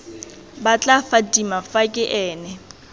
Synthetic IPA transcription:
bat͡ɬʼafadimafakʼɪʔɛːnɛ

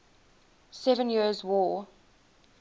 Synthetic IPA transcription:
sɛvə̃njiəzwɔː

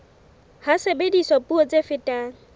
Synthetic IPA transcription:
hasebedisɔpʼuɔt͡sʼefɪtʼaː

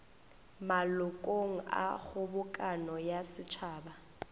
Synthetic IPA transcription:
malʊkʼoŋ̩a̰ɣʊbʊkʼanɔjasɪt͡ʃʰaːba

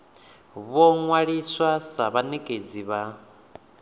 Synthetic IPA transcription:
βɔŋwaɺiswasaβanekʼed͡ziβa

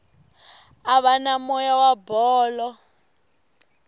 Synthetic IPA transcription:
aβanamɔjawabɔːlɔ

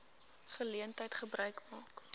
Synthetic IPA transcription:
fəliəntəjtχəbɾœɥkmɑːk

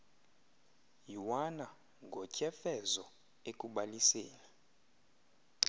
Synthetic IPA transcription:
jiwana | ŋɡʱɔcʼɛfɛzɔ | ekʼuɓalisɛːla

